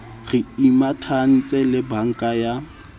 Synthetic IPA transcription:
ɣɪimatʰan̩t͡sʼɛlɪbaŋ̩kʼaja

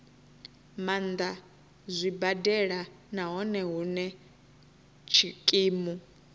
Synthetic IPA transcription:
mand̪a | zʷibadɛɺa | naɦɔnɛɦunɛ | t͡ʃʰikʼiːmu

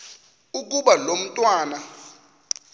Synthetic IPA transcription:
uk̬ʼuɓalom̩tʼwaːna

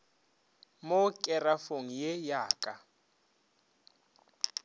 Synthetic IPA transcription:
mokʼɛrafoŋ̩jejaːkʼa

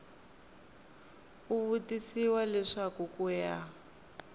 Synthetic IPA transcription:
uβutisiwalɛʂakukuja

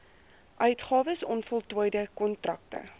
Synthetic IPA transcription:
ʔœɥtχɑːvəsɔnfɔlˠtuːjdəkɔntrɐk̚tə̰

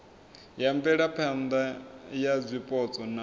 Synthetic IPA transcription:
jampɛɺapʰɛnd̪ajazʷipʼɔt͡sʼɔna

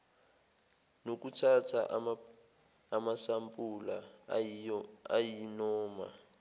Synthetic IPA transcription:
nokutʰatʰa̰ | masampʼula | ajinɔːma̰

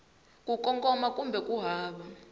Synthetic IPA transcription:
kʼukʼɔŋkʼɔmakʼumbʱɛkʼuɦaːɓa

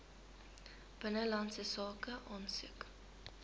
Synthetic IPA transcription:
b̥ənəlɐntsəsɑːkəʔɑːnsʉ̰ək

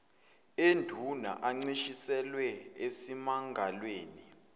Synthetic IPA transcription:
endʱuna̰ʔaŋ͡ǀiʃisɛlwɛesimaŋɡʱalweːni

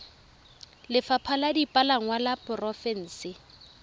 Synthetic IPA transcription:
lɪfapʰaladipʼalaŋ̩walapʼʊrɔfɛn̩ːsɪ

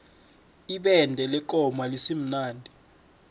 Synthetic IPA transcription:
iɓɛndʱɛlɛǃɔmalisim̩naːndʱi

